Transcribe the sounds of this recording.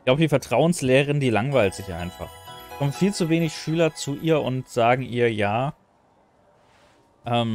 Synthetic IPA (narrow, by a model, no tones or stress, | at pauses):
laʊbədiːfɛɐtʁ̥aʊənsleːʁəʁɪndiːlaŋvaɪltz̥ɪçʔa̰ɪnfa̰χkʰɔməfiːlt͡suveːnɪçʃyːlɐt͡suʔiːɐʔʊntz̥aːɡŋ̩ʔiːɐjaː | ʔɛːm